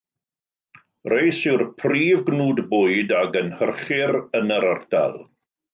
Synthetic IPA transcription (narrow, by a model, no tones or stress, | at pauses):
rejsɪwrpʰriːvɡnuːdbʊɨdaɡənhərχɪrənəɾərda̰lˠ